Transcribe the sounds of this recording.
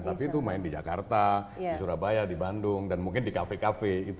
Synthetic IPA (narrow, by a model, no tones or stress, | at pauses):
t̪apit̪umaɪndid͡ʒa̰kart̪adisuɾabajadibandʊŋdanmuŋkɪndikafekafeit̪